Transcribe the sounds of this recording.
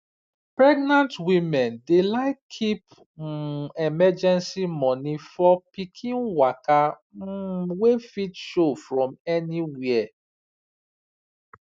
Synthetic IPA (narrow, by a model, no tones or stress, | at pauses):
pɹɛɡnãntwimɛ̃ndelaɪkʰip | ɛmɛd͡ʒɛ̃nsimɔ̃nifɔpikʰĩnwaka | wefitʃofɹɔ̃mɛniwiɛ